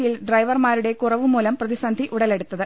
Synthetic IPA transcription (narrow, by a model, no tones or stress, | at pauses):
ijilɖrɐjʋɐrmaːɾuɽe̞kurɐʋɨmːuːlɐmprɐðisɐnd̪ʱiʔuɽɐle̞ɽut̪ːɐðɨ